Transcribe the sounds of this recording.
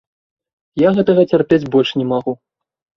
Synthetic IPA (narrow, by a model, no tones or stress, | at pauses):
jaɣɛt̪ɐɣɐt͡sʲarpʲed͡zʲbɔlʲʂnʲɛmaɣu